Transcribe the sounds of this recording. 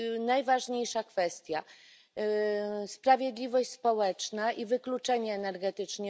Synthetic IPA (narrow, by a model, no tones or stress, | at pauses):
najvaʐɲejʂakfɛst̪ʲja | spɾavʲjed̪lʲivɔɕʲspɔwɛt͡ʂnaʔivɘklut͡ʂɛɲɛːnɛɾɡɛt̪ɘt͡ʂɲɛ